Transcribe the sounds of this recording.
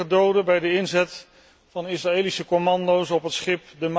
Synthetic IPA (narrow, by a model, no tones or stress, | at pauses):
ədowdəbɛjdəɪnzɛt | fɑnɪsraeːlisəkomɑndowsɔpɦətsχɪpdəm